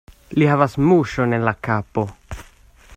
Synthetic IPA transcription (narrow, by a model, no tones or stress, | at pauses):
lihavasmuʃo̞ne̞nlakapo̞